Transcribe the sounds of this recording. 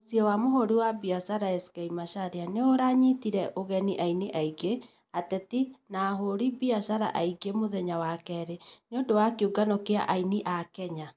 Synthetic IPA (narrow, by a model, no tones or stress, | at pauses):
osiɔwamoɦoɾiwabiasaɾaɛskaimaʃaɾeaneoɾaɲitiɾɛʔoɣɛniʔainiʔaiɡe | atɛtinaːɦoɾibiaʃaɾa̰ʔaiɡemoðɛɲawakɛɾeneodowakeuɡanokea̰ʔainiʔakɛɲa